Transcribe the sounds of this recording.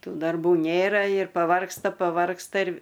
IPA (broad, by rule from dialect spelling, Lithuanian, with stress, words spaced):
ˈtuː dɐrˈbuː ˈnʲeːrɐ ɪr pɐˈʋɐrkstɐ pɐˈʋɐrkstɐ ɪr